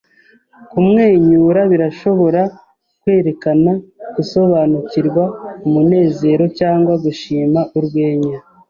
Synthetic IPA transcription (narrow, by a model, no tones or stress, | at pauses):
kumŋe̞ːɲuːɾaβiɾaʃo̞βo̞ɾa | kwe̞ːɾe̞kanaɡ̥uso̞βaːnuciɾɡwaumune̞ːze̞ːɾo̞caːŋɡwaɡuʃiːmaʔuɾɡwe̞ːɲa